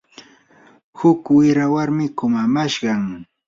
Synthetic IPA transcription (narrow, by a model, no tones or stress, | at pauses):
hʊkwɪɾawaɾmɪkʊmamaʃɢɑŋ